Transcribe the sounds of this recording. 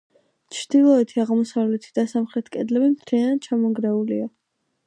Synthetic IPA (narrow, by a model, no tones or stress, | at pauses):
t͡ʃʰɾd̪̥ilˠɔɛt̪ʰiaʁmɔsavlɛt̪ʰid̪̥asamχɾɛt̪ʰkʼɛd̪lɛbimt̪ʰɾianad̪̚t͡ʃʰamɔɡɾɛulia